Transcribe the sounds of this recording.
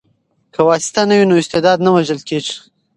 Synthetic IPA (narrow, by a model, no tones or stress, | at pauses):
kawɑsɪ̥t̪anawinoɪst̪ed̪ɑd̪nawaʒəlkeʐ